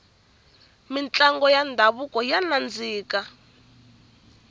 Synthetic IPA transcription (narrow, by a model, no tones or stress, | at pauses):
mint͡ɬaŋɡɔjandʱaβukɔjanand͡ziːka